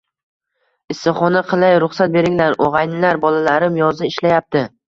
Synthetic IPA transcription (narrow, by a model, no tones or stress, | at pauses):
ɪsːɪχɒnaqʰɨlˠajɾʊχsat̪̚be̞ɾɪŋlaɾʔoʁɑjnɪlaɾbɒlalaɾɪmjɒzɪɪʃlajap̚t̪ʰɪ